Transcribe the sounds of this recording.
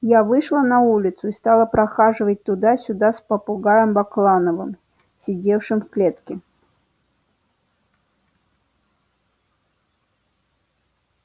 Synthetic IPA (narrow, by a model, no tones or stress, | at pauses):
javɨʂlˠənɐulʲɪt̪sʊist̪alˠəpɾɐxaʐɨvət̚ʲt̪ʊd̪asʲʊd̪aspəpʊɡajəmbɐklˠanəvɨm | sʲɪdʲefʂɨmfklʲet̪kʲɪ